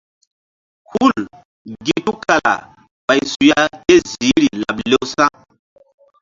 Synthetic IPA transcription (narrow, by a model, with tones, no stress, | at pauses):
ku˦˨l | ɡi˦tu˦kʰa˨la̰˨ | ba˨jsu˨ja˦te˦zi˨˦ɾi˨la̰˨ble˦wsã˦